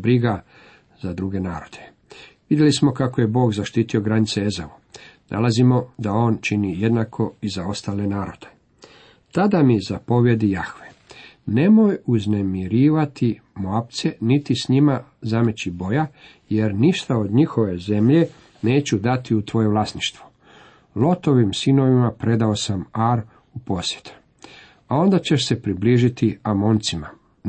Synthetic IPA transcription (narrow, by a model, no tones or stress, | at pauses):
bɾiɡa | zad̪ɾuɡe̞naːɾo̞d̪̥e | ʋid̪jelismo̞kakoje̞bo̞ːɡzaʃt̪iːt̪io̞ɡɾanit̪seezaʋu | nʔa̰lazimo̞d̪ao̞ːnt͡ʃinije̞d̪nakʰo̞izao̞st̪aːle̞naːɾo̞̰d̪̥e̥ | t̪ad̪amizapo̞ʋje̞d̪ijaxʋe | ne̞mo̞juzne̞miɾiːʋat̪i | moapt̪se̞nit̪isɲimazamet͡ɕibo̞ja | je̞ɾniʃt̪ao̞d̪ɲixo̞ʋe̞ze̞mʎe̞ | ne̞ːt͡ɕud̪at̪iut̪ʋo̞je̞ʋlasniʃt̪ʋo | lˠo̞t̪o̞ʋimsino̞ʋimapɾe̞d̪aosamaɾ | upo̞sje̞t̪ʰu̥ | ao̞nd̪at͡ɕe̞ʃse̞pɾibliːʒit̪iamo̞nt̪sima